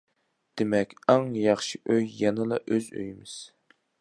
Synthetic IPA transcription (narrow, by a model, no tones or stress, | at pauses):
d̪̥emɛkʲɑŋjɑχʃiʔøjjɛnɨlˠɑʔøzø̰jmɪz̥